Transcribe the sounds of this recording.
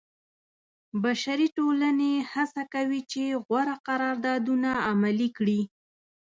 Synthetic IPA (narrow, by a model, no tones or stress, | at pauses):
baʃaɾiʈolanehasakawit͡ʃeɣwaɾaqaɾɑɾd̪ɑd̪unaːmalikɽi